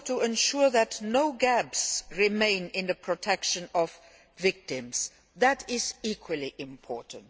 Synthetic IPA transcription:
tʰuɛ̃nʃuɹðɨtnoʊɡæbsɹimẽɪ̃nɪ̃nðəpʰɹ̥ɔtʰɛkʃə̃nɔvː | ɪk̚tɪ̃mz̥ | ðætɪzikʰwəliʔɪ̃mpʰɔ̰ɹtn̩t

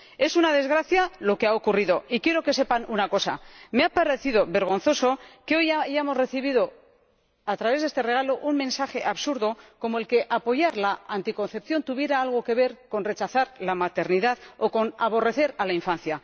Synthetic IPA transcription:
e̞sunað̞e̞zɣ̞ɾaθjalo̞keaokuriðo̞ikje̞ɾo̞ke̞se̞panunako̞sa̰me̞apaɾeθiðo̞βe̞ɾɣ̞o̞nθo̞so̞ke̞o̞jajaemo̞zre̞θiβiðo̞ | at̪ɾaβezðest̪e̞re̞ɣalo̞ʔunmẽ̞nsaxe̞ʔaβsuɾðo̞ko̞moe̞lke̞ʔapo̞ʝaɾlaant̪iko̞nθe̞pθjo̞nt̪uβje̞ɾaalɣ̞o̞ke̞βe̞ɾko̞nre̞t͡ʃaθaɾlamat̪e̞ɾniðaðo̞ko̞naβo̞re̞θe̞ɾalaiɱfan̟θja

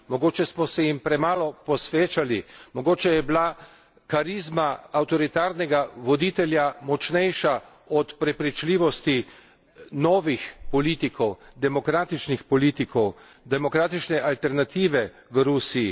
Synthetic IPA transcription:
mɔɡoːt͡ʃɛsmɔsɛjimpɾɛmaːlɔpɔsʋeːt͡ʃalimɔɡoːt͡ʃɛjɛbla | kaɾizmaawt̪ɔɾit̪aːɾnɛɡaʋɔd̪iːt̪ɛljamɔt͡ʃnɛjʃa | ɔt̪pɾɛpɾit͡ʃliːʋɔst̪i | nɔːʋixpɔliːt̪ikʰɔwd̪ɛmɔkɾaːt̪it͡ʃnixpɔliːt̪ikɔw | d̪ɛmɔkɾaːt̪it͡ʃnɛʔalt̪ɛɾnat̪iːʋɛ | ʋəɾuːsiji

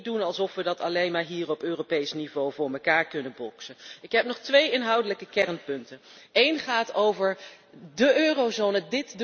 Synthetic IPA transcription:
dunɑlˠsɔfʋədɑtɑlejmaːɹɦiːrɔpøːropejsnivowvʊːɹməkaːɹkɵnəbɔksəɪkɦɛpnɔχtʋejɪnɦɑwdələkəkɛɹnpɵntənejnχaːtowvəɹ | dəʔøːrozownədɪtd

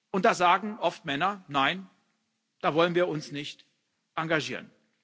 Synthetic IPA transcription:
ʔʊnt̚d̥aːzaːɡŋ̩ʔɔftmɛnɐnaɪn | d̥aːvɔlənviːɐʊnsnɪçt | ʔaŋɡaʒiːʁən

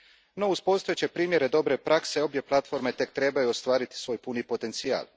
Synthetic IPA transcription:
no̞uspo̞st̪ujet͡ɕe̞pɾiːmje̞ɾe̞d̪o̞bɾe̞pɾakse̞o̞bje̞plˠat̪fo̞ɾme̞t̪e̞k̚t̪ɾe̞bajuost̪ʋaːɾit̪i̥sʋojpunipo̞t̪e̞nt̪sia̰ːl

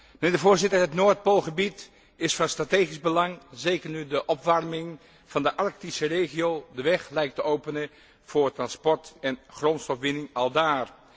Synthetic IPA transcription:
mənɪːɹdəvʊːɹzɪtəɹɦətnoːɹt̚polˠχəbit | ɪsfɑnstrateːχizbəlɑŋzejkəɹnydəʔɔpʋɑrmɪŋ | v̥ɑndəʔɑɹk̚tisəreːχiowdəʋɛχlɛjk̚təowpənə | v̥ʊːɹtrɑnspɔɹtɛnχrɔntstɔfʋɪnɪŋɑlˠdaːr

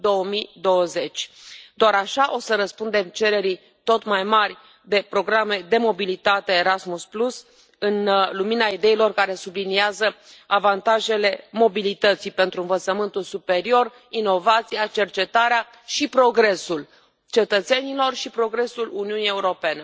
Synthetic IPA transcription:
d̪o̞əmid̪o̞wəze̞t͡ʃʲd̪oaɾaʃaʔo̞səɾəspund̪e̞mt͡ʃe̞ɾe̞ɾi | t̪o̞t̪majmarʲ | d̪e̞pɾo̞ɡɾame̞d̪e̞mo̞bilit̪at̪e̞ːɾasmusplus | ɨnluminaid̪e̞ilo̞rkaɾe̞subliniazəavant̪aʒe̞le̞mo̞bilit̪ət̪sijpe̞nt̪ɾuɨnvət̪səmɨnt̪ulsupe̞ɾio̞r | ino̞vat̪siat͡ʃe̞rt͡ʃe̞t̪aɾea | ʃipɾo̞ɡɾe̞sul | t͡ʃe̞t̪ət̪se̞nilo̞rʃipɾo̞ɡɾe̞suluniunije̞uɾo̞pe̞ne̞

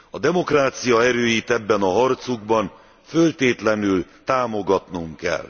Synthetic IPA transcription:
ɒd̪ɛmo̞kraːt̪sijɒɛɾøːjit̪ɛbːɛnɒɦɒrt̪suɡbɒn | følt̪eːt̪lɛnylt̪aːmo̞ɡɒt̪nuŋkɛ̰l

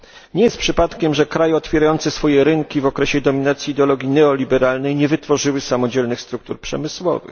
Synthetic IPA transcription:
ɲɛjɛst̪̚pʂɘpat̪kʲɛmʐɛkɾajɛɔt̪fʲjɛɾajɔnt̪sɛsfɔjɛɾɘŋkʲivɔkɾɛɕɛd̪ɔmʲinat̪sʲjiːd̪ɛɔlɔɡʲinɛɔlʲibɛɾalnɛjɲɛvɘt̪fɔʐɘwɘsamɔd͡ʑɛlnɘxst̪ɾukt̪uɾpʂɛmɘswɔ̰vɘ̰x

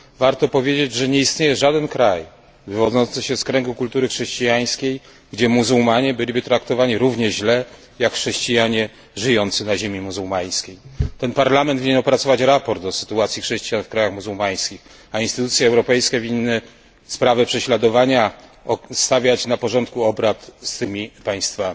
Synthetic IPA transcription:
vaɾt̪ɔpɔvʲjed͡ʑed͡ʑʐɛɲɛist̪ɲejɛʐad̪ɛnkɾaj | vɘvɔd̪zɔnt̪sɘɕɛskɾɛŋɡukult̪uɾɘxʂɛɕt͡ɕijaj̃skʲej | ɡd͡ʑɛmuzuwmaɲɛbɘlʲibɘt̪ɾakt̪ɔvaɲiɾuvɲɛʑlɛ | jakxʂɛɕt͡ɕijaɲɛ | ʐɘjɔnt̪sɘnaʑemʲimuzuwmaj̃skʲejt̪ɛnpaɾlamɛnd̪vʲiɲɛnɔpɾat̪sɔvat͡ɕɾapɔɾt̪d̪ɔsɘ̥t̪uat̪sʲjixʂɛɕt͡ɕijanfkɾajaxmuzuwmaj̃skʲix | ainst̪ɘt̪ut̪sʲjɛɛwɾɔpɛjskʲɛvʲinːɘ | spɾavɛpʂɛɕlad̪ɔvaɲaɔst̪avʲjat͡ɕnapɔʐɔnt̪kuɔbɾat̪st̪ɘmʲipaj̃st̪famʲi

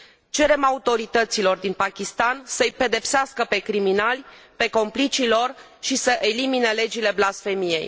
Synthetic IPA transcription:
t͡ʃe̞ɾe̞maut̪o̞ɾit̪ət̪silo̞rd̪inpakʲist̪ansəjpe̞d̪e̞pseaskəpe̞kɾiminalʲ | pe̞ko̞mplit͡ʃilo̞r | ʃisəʔe̞limine̞le̞d͡ʒile̞blasfe̞mije̞̰j

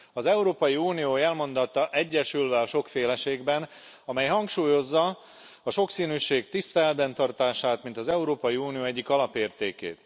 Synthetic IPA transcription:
ɒzɛuɾoːpɒjiuːnijoːɛlmo̞nd̪ɒt̪ːɒʔɛɟːɛʃylvɛɒʃo̞kfeːlɛʃeːɡbɛn | ɒmɛjɦɒŋkʃuːjo̞zːɒ | ɒʃo̞ksiːnyːʃeːɡt̪ist̪ɛlɛt̪̚bɛnt̪ɒrt̪aːʃaːt̪mint̪ɒzɛuɾoːpɒjiuːnijoːɛɟːikɒlɒpeːrt̪eːkḛːt̪

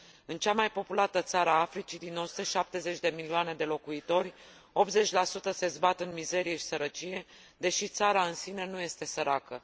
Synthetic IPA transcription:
ɨnt͡ʃamajpo̞pulat̪ət̪saɾəaːfɾit͡ʃid̪inːo̞sut̪əʃap̚t̪e̞ze̞t͡ʃʲd̪e̞milioane̞d̪e̞lo̞kuit̪o̞rʲ | o̞p̚t̪ze̞t͡ʃʲlasut̪əse̞zbat̪ɨnmize̞ɾije̞ʃi̥səɾət͡ʃije̞ | d̪e̞ʃit̪saɾaɨnsine̞nuje̞st̪e̞səɾakə

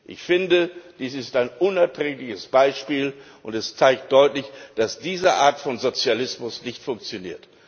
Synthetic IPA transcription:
ʔɪ̰çfɪndəd̥iːsɪstaɪnʔʊnɛɐtʁ̥ɛːklɪçəsb̥aɪʃpiːl | ʔʊntɛst͡saɪkt̚d̥ɔʏtlɪçd̥asd̥iːzəʔaːɐtfɔnzot͡sjalɪsmʊsnɪçtfʊŋk̚t͡sjoniːɐt

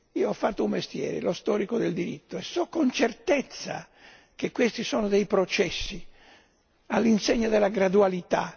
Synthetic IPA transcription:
iːoɔfːat̪ːoummest̪jɛ̰ːɾḛlost̪ɔːɾikod̪eld̪iɾit̪ːoɛsːɔkːont͡ʃert̪et̪sːa̰ | kekːwest̪isɔːnod̪ejpɾot͡ʃɛsːi | alːinseɲːad̪elːaɡɾad̪ualit̪a

